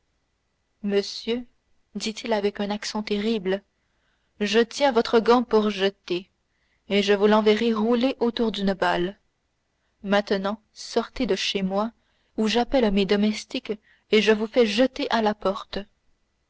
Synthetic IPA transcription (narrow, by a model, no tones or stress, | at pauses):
məsjø | d̪it̪ʰilavɛkœ̃naksɑ̃t̪eʁibl | ʒət̪jɛ̃vɔt̪χəɡɑ̃puʁʒət̪e | eʒəvulɑ̃veʁeʁuleʔot̪uʁd̪ynəbal | mɛ̃t̪ənɑ̃ | sɔʁt̪ed̪əʃemwa | uʒapɛlmed̪ɔmɛst̪ik | eʒəvufɛʒət̪eʔalapɔʁt̪